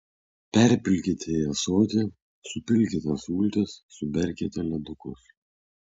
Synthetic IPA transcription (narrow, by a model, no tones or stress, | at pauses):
pʲɛɾʲpʲɪlʲkʲɪt̪ʲejɛsoːt̪ʲe | sʊpʲɪlʲkʲɪt̪ʲɛsuːlʲt̪ʲɛsːʊbʲɛɾʲkʲɛt̪ʲɛlʲɛd̪ʊkʊs